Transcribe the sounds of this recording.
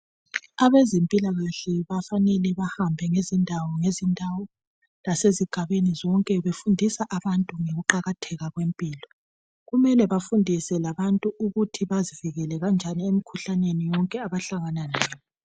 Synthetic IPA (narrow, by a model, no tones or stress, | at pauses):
aβezimpʼilaɣaɬɛβafanɛlɛβahambʱɛŋezindʱawɔŋezindʱawɔ | laseziɡ̥ʱaβenizɔŋkʼɛβefundʱisaʔaβantʼuŋeɣuǃaɣatʰɛɣaɣwempʼiːlɔ | ɣumɛlɛβafundʱisɛlaβantʼuʔuɣutʰiβaziviɣɛlɛɣand͡ʒʱaniemikʰuɬanenijɔŋkʼɛaβaɬaŋananaːjɔ